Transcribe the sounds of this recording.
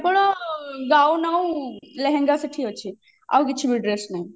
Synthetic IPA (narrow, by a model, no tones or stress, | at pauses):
pəɽoɡaːunaũleɦɛ̃ŋɡasɪʈʰiot͡ʃʰi | a̰wkɪt͡ʃʰibiɖɾesnaːĩ